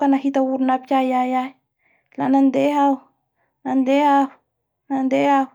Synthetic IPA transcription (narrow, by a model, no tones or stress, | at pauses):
kanaɦit̪awuɾunap̚ajaja | la̰nand̪eaw | nand̪eau | nand̪eaw